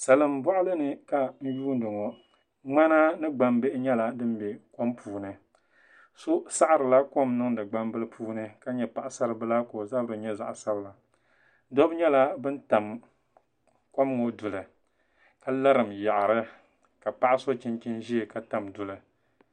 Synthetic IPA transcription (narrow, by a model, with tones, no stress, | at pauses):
sa˨lɨ˦m˦bɔ˦ʔʊ˦lɨ˦nɨ˦ka˨n̩˦juː˦n̩˦dɨ˨ŋɔ˨ | ŋ͡ma˦na˦nɨ˦ɡ͡ba˨mbe˦ʔɲɛ˦la˨dɨ˦m˦bɛ˨ko˦mpʰuː˨nɨ˨ | so˦sa˦ʔa˦˨ɾɨ˨la˦ko˦mnɨ˦ŋdɨ˨ɡ͡ba˦mbɨ˦lɨ˦pʰuː˦nɨ˦ka˦ɲɛ˨pa˨ʔa˨sa˦ɾɨ˨bɨ˦la˦ko˨za˦bɨ˦ɾɨ˨ɲɛ˦za˨ʔsa˦bɨ˦la˨ | do˦bɲɛ˦la˦bɨ˦nta˨m | ko˦m˦ŋo˨dʊ˨lɨ˨ | ka˨la˦ɾɨ˨mja˨ʔa˨ɾɨ˦ | ka˨pa˦ʔa˦so˦t͡ʃi˦nt͡ʃi˦nʒi˦e˨ka˨ta˨mdʊ˨lɨ˨